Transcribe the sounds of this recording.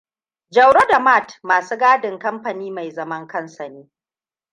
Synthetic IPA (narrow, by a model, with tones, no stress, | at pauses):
d͡ʒɐ˨wɽo˦da˨ma˦˨tmaː˨suː˦ɡaː˦dɪ˨ŋkɐ˦mɸɐ˨niː˦ma˨jzɐ˦mɐ˦ŋkɐ˦nsɐ˨neː˦